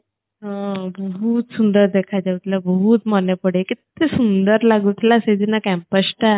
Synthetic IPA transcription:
ɦãbəɦut̪sund̪əɾd̪ekʰajd͡ʑ̪aut̪labəɦut̪mənepəɽekit̪esund̪əɾlaɡut̪lased̪inakæ̃mpəsʈa

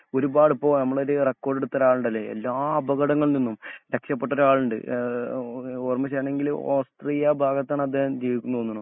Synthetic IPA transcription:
o̞ɾubaːɽipːo̞ːnɐmːɐɭoɾɨrekːo̞ːɖeɽut̪ːɐɾaːɭuɳɖɐlːe̞ḛlːaːɐbɐɣɐɽɐŋːɐɭninːumɾekʂɐpːe̞ʈːoɾaːɭuɳɖɨ̰ | oːrmɐɕ̬ɐjaːɳe̞ŋɡiloːst̪riːjɐbʱaːɡɐt̪ːaːɳɐd̪ʱjeːhɐmd͡ʑeːʋikʲːunːuonːuɐɳɐm

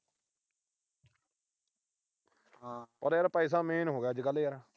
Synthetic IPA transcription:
pəɾeːɾpəiːs̬aːmeːnɦoːɡaːd͡ʒɡəlːiːəɾa

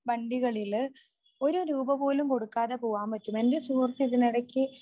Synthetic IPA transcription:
bɐɳɖiɣɐɭil | o̞ɾuɾuːbɐpo̞ːlumko̞ɽukːaːðɐpoːʋaːmpɐtːume̞ndesuːrt̪ːiiðiniɽɐkʲːɨ

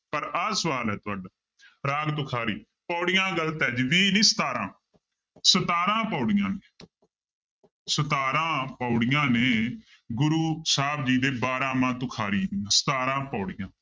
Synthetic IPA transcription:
pəɾaːsəʋaːlɦɛːt̪ʊaːɖaː | ɾaːɡt̪ʊkʰaːɾiː | pɔːɽɪjãːɡəlt̪ɛːd͡ʒʋiːnĩːsə̥t̪aːɾãː | sət̪aːɾãːpɔːɽɪjãːneː | sət̪aːɾãːpɔːɽɪjãːneː | ɡʊɾuːsaːbd͡ʒiːd̪eːbaːɾãːmãːt̪ʊkʰaːɾiːsə̥t̪aːɾãːpɔːɽɪjãː

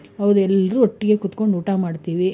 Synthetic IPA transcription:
ɐʋd̪ɛlːɾuːɔʈːiɡekut̪ko̞ɳɖuːʈaːmaːɖt̪iːʋi

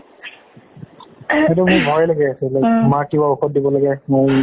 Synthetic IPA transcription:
etumʊɹbʱɔjlaɡɛasɛlɛmakibauxɔt̚dibɔlaɡɛmʊj

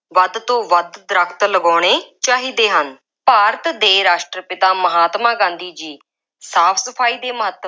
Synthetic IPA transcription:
ʋəd̪t̪õːʋəd̪d̪ɾəkʰt̪ləɡɔːɽ̃eːt͡ʃaːɦiːd̪eːɦən | paːɾət̪d̪eːɾaːʃʈɾəpɪt̪aːməɦaːt̪mãːɡãːnd̪iːd͡ʒiː | saːpʰsəpʰaːiːd̪eːməɦət̪ː

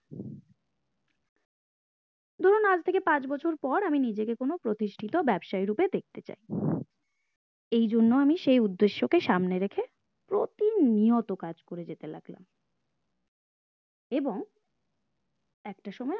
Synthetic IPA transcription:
d̪ʱoɾonad͡ʑt̪ʰekepãt͡ɕbɔt͡ɕʰoɾpɔɾaminid͡ʑekekonopɾot̪iʃʈʰit̪obɛbʃajɾuped̪ek̚ʰt̪et͡ɕa̰j | ejd͡ʑonːoamiʃejud̪ːeʃːokeʃamneɾekʰe | pɾot̪iniot̪okad͡ʑkoɾed͡ʑet̪ela̰ɡla̰m | eboŋ | ɛk̚ʈaʃɔmɔe

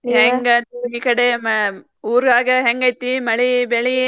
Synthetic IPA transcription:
ɦeŋɡɐnt̪uɦiːkɐɽem | uːɾɡaːɡɐɦeŋɡɐjt̪ːimɐɭibɛɭi

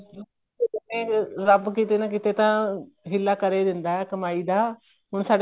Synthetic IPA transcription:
eɪt̪ẽːɾəbkiːt̪eːnaːk̬ɪt̪eːt̪ãː | ɦɪlːaːkəɾeːd̪ɪnd̪aːɛːkəmaːiːd̪aː | ɦʊɳsaːɽ

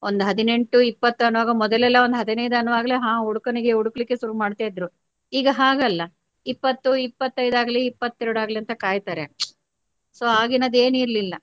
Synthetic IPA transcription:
ond̪uɦɐd̪ine̞ɳʈuipːɐt̪ːuɐnuʋaːɡɐmɔd̪ɐlɛlːɐond̪ɦɐd̪inɐjd̪ɐnːuʋaːɡɐleɦãːuɽukɐniɡe̞uɽukɐlikːeʃuɾumaːɖt̪aːjid̪ɾu | iːɡɐɦaːɡɐlːɐ | ipːɐt̪ːuipːɐt̪ːɐjd̪aːɡɐliipːɐt̪ːɛɾuɽuaːɡɐliɐnt̪ɐkaːjt̪aːɾe | soːaːɡinɐd̪e̞ːniːɾlilːɐ

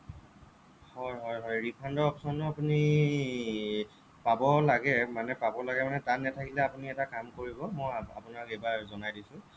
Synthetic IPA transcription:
hɔjɦɔjɦɔjɹipʰandɔɔpsɔntɔapuni | pabɔlaɡɛmanɛpabɔlaɡɛmanɛtatnɛtʰakilɛapuniɛtakamkoɹibɔmɔja̰punakejbazɔnajdisʊ̃

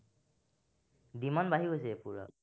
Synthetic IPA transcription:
dimɔnbaɦiosɛpuɹɔ̰

